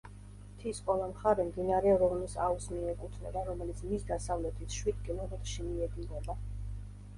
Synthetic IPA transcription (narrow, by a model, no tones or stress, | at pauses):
t̪ʰiskʼɔlˠamχaɾɛmd̪inaɾɛɾɔvnisausmiɛkʼut̪ʰnɛbaɾɔmɛlit̪sʰmisd̪asavlɛt̪ʰit̪ʰʃwid̪kʼilˠɔɾɛt̪ʃimiɛd̪inɛba